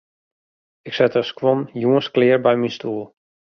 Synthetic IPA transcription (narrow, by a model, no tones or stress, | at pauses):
ɪksɛtəskwɔnjuənsklɪːɹbɛjminstuːlˠ